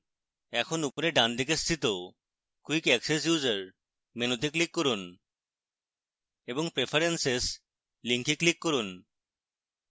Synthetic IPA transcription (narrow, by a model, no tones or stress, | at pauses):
ɛkʰonupoɾeɖand̪ʱik̬est̪ʰit̪o | kuikɛkses̬juzaɾ | menot̪iklikːoɾun | eboŋpɾefʰaɾenses | liŋkiklikːoɾun